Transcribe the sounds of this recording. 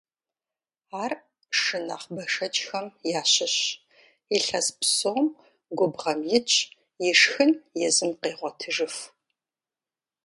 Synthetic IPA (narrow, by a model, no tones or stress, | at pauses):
aːr | ʂɨna̰ːχbɐʂɐt͡ʃʼxɐmjaːɕɪɕ | ɪɬɐzpʰsom | ɡʷʊbʁɐmjɪt͡ʃʼ | jɪʂxɨnjɛzɨmqeːʁʷɔtʰɨʐɨf